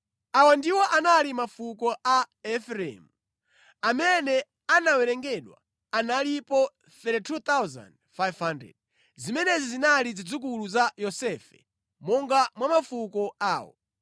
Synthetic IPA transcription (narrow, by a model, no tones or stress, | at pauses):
awandiwɔʔanalimafukɔʔaɛfɾɛ̰mu | amɛnɛ | anawɛɾɛŋɡɛɗwa̰ | analipɔ | θɛɾɛtʰut̪awza̰ndfajvhandrɛ̰d̚ | zimɛnɛzizinalid͡zid͡zuk̬uluzajɔsɛfɛ | mɔŋɡamwamafukɔaːwɔ̰